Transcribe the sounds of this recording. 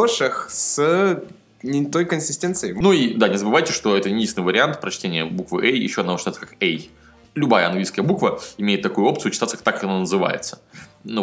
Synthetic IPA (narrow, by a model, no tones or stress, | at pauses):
oʂɨxs | nʲɪt̪ojkənsʲɪsʲtʲent̪sɨjənuid̪anʲɪzəbɨvajtʲɪʂt̪o̞ɛt̪ənʲisʲt̪ʲnɨjvəɾʲɪant̪pɾɐt͡ɕtʲenʲɪjə̰bukvɨ̰ʔejjɪ̰ɕːod̪nɐvot͡ɕt̪jt̪səkakej | lʲʊbajəɐnɡlʲijskəjəbukvəɪmʲeɪt̪ːɐkujʊo̞p̚t̪sɨjʊt͡ɕɪt̪at̪sət̪akːɐnanəzɨva̰jɪ̰t̪sə̥ | nu